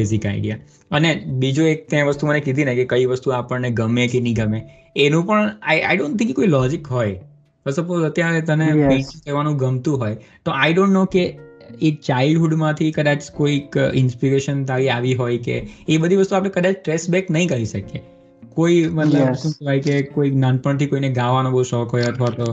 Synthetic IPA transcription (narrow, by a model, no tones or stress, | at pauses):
bezika̰ɪɖija̰ | ənebid͡ʒuek̚t̪jãʋəst̪umənekid̪ʱinekekəiʋəst̪uapəɳneɡəmekenĩɡəme | enũpəɳajʔa̰jɖõnt̪ʰɪ̃ŋkkoilɔd͡ʒɪkɦoj | pəsəpoət̪jaɾet̪ənepẽt͡ʃkəɾʋanũɡəmt̪ũɦoj | t̪oʔajɖõɳʈnokeet͡ʃaɪlɖɦuɖmãt̪ʰikəd̪at͡ʃkoikɪnspiɾeʃənt̪aɾiaʋiɦojkḛːbəd̪ʱiʋəst̪uapɽ̃ẽkəd̪ãt͡ʃʈɾesbɛknəɦĩkəɾiʃəke | koimət̪ləbʃũt͡ʃəʋajkekoiknanpəɳt̪ʰikoineɡãʋanõbəuʃɔkɦojət̪ʰʋat̪o